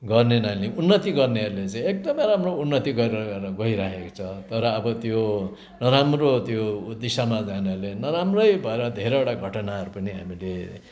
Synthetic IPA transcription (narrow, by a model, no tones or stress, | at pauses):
ɡʌrnenʌjleunːʌt̪iɡʌrneɦʌɾulet͡sãj̃ek̚d̪ʌmʌjɾamrounːʌt̪iɡʌɾeɾɾʌɡʌiɾakʰeko̥t͡sʰʌt̪ʌɾʌːbʌt̪jo | nʌɾamrot̪jod̪isamad͡zaneʌɾlenʌɾamrʌjbʱʌeɾʌd̪ʱeɾʌbʌʈaɡʱʌʈʌnaɦʌɾupʌniɦa̰mile